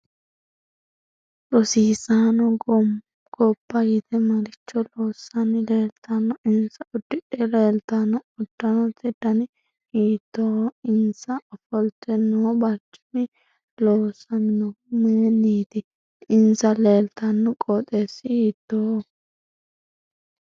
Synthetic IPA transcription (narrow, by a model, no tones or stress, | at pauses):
ɾɔsiːsaːnɔ | ɡ̥ɔpːɐɡɪt̪ɛmɐɾɪt͡ʃːɔloːsːɐnɪleːlt̪ʰɐnːɔɪnsɐɔd̪ːɪᶑɛleːlt̪ɐnːɔd̪̥ːɐnɔt̪ɛd̪ɐnɪ | iːt̪ːoɪnsɐːfɔlt̪ɛnːɔbɐt͡ʃːɪ̥mɪ | loːsːɐnɪnɔ | meːnːiːt̪ɪ | ɪnsɐleːlt̪ɐnːɔkʼɔt̪ʼeːsːɪiːt̪ːo